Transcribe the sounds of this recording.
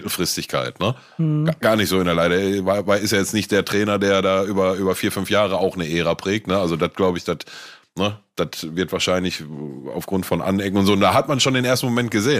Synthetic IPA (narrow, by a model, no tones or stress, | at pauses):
l̩fʁ̥ɪstɪçkʰa̰ɪtnə̥ | ɡ̥aːɐnɪçtz̥oːɪndɛɐlaɪɾəvavaɪlɪstjaːjɛt͡stnɪçt̚d̥eːɐtʁ̥ɛːnɐdeːɐdaːʔyːbɐʔyːbɐfiːɐfʏnfjaːʁ̞əʔaʊxnəʔeːʁapʁ̥ɛːk̚tnəalzodat̚ɡ̥laʊbəɪçd̥at | nəd̥atvɪɐtv̥aːɐʃaɪnlɪça̰ʊfɡ̥ʁʊntfɔnʔa̰nɛkŋ̩ʊntz̥oːnd̥aːɦatmanʃoːndeːnʔeːɐstn̩momɛnt̚ɡ̥əzeːən